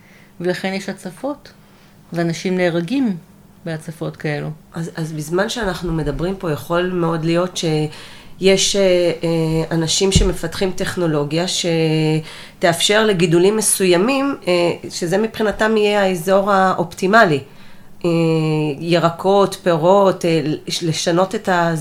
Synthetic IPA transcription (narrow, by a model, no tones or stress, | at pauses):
velaχe̞njeʃat͡safo̞t | veanaʃimneːʁaɡim | beat͡safo̞tkaeluʔazazbizmanʃeanaχnume̞dabʁimpo̞jaχo̞lmeo̞dlijo̞tʃe̞je̞ʃe | anaʃimʃe̞me̞fatχimte̞χno̞lo̞ɡjaʃe̞ | te̞afʃe̞ʁle̞ɡidulimːe̞sujamimʃe̞zemipχinatamijeaezo̞ʁaʔoptimali | ejeʁakʰo̞tpeʁo̞tle̞ʃano̞te̞ta